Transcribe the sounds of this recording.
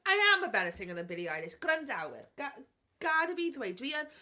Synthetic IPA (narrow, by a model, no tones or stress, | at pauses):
ajaməbɛɾəθɪ̃ŋəðə̃nbɪliajlɪʃɡ̥rəndawɪ̰rɡ̥a | ɡ̥adəviːðwejdwiən